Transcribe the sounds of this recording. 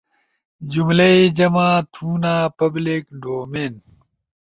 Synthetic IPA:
d͡ʑumlɐid͡ʑɐmaːt̪ʰuːnaːpɐblikɖoːmeːn

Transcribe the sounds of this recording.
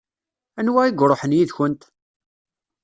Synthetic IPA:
ænwæiɡɾˤoħənjiðçənt̪

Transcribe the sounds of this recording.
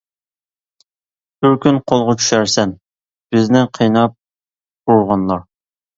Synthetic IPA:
b̥yɾkʲynqʰolˠʁɑt͡ʃʰy̥ʃæɾsɛn | b̥ɪznɪqʰejnɑp̚ | uɾʁɑnlˠɑɾ

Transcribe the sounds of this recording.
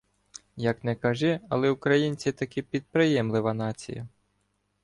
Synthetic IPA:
jɐknɛkɐʒɪɐlˠɛʊkɾɐjinʲt͡sʲit̪ɐkɪpʲid̪̚pɾɪjɛmlɪʋɐnɑt͡sʲḭjɐ̰

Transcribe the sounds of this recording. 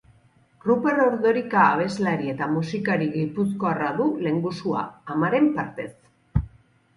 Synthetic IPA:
rupe̞ro̞ɾðoɾikaːβ̞e̞zlaɾie̞t̪amusikaɾiɣipusko̞araðule̞ŋɡusua̰ːmaɾe̞mpaɾt̪e̞s

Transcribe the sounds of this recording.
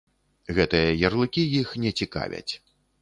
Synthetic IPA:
ɣɛt̪ɨjɐjɐrlˠɨkʲijixnʲɛt͡sʲika̰vʲɐ̰t͡sʲ

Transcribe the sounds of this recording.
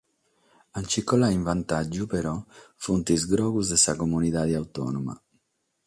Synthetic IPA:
ant͡ʃikːɔlaiɱvant̪ad͡ʒːupeɾɔfunt̪izɡɾɔːɣuzd̪esakomuniðaːðiawt̪ɔ̰numa̰

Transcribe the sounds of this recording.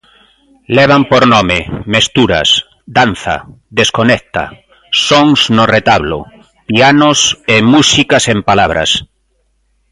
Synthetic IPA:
leβ̞ampoɾnomemest̪uɾa̰s | d̪an̟θa̰d̪eskonekt̪a̰ | soŋznoret̪aβlo̰ | pianosemusikasẽmpalaβ̞ɾa̰s

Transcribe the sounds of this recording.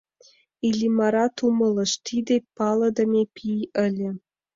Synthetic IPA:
ilʲimɑɾɑt̪umɤ̆lˠɤ̆ʃt̪ʰid̪epɑlˠɤ̆d̪ɤ̆mʲepʲʰijə̆lʲɘ̆

